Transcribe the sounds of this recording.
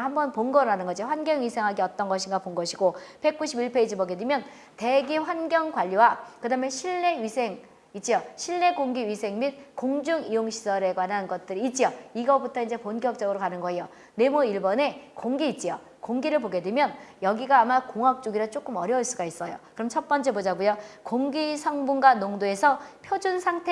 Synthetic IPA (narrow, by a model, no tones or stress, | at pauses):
ɦambʌnponɡʌɾɯɾɦanɯnɡʌd͡ʑiɸwanɡjʌŋisʰe̞ŋɦaɡiʌt͈ʌnɡʌɕʰiŋɡapoŋɡʌɕʰiɡob̥e̞k̚k͈uɕʰibiɭpʰeid͡ʑiboɡe̞dwemjʌn | te̞ɡiɸwanɡjʌŋɡwaʎːiwakɯdameɕʰiɭːe̞ɥisʰe̞ŋ | it̚t͡ɕ͈ijoɕʰiɭne̞ɡoŋɡiɥisʰe̞ŋmit̚koŋd͡ʑuŋijoŋɕʰi̥sʰʌɾe̞ɡwananɡʌt̚t͈ɯɾiːt̚t͡ɕ͈ioiɡʌbutʰʌind͡ʑe̞ponkjʌk̚t͡ɕ͈ʌɡɯɾokanɯnɡʌejo | ne̞muiɭbʌne̞koŋɡiːt̚t͡ɕ͈ijo | koŋɡiɾɯɭpoɡe̞dwemjʌnjʌɡiɡaːmakoŋɦak̚t͡ɕ͈oɡiɾat͡ɕ͈ok͈ɯmʌɾjʌuɭs͈uɡais͈ʌjo̰kɯɾʌmt͡ɕʰʌt̚p͈ʌnt͡ɕʰe̞bod͡ʑaɡujokoŋɡisʰʌŋbunɡwanoŋdoe̞sʰʌpʰjod͡ʑunsʰaŋtʰe